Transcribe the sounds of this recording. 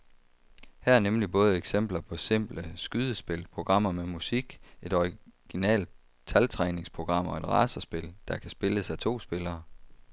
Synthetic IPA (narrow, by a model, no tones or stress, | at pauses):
hæɐæɐnemlib̥ɔ̽ːð̞̩ˠeɡ̥sem̰b̥lɐpʰɒ̽se̝m̰b̥ləsɡ̥yð̞ˠəsb̥e̝lpʰʁo̝ɡ̥ʁɑ̈m̰ɐmemusiɡ̥e̝d̥ɒʁiɡ̥inɛ̰ːld̚ | t͡sʰælt͡sʰʁɛːne̝ŋspʰʁo̝ɡ̥ʁɑ̈m̰ɒ̽e̝d̥ʁɑ̈ːsɐsb̥e̝ld̥ɑ̈kʰæsb̥e̝ləsæt͡sʰo̝̰ːsb̥e̝lɐː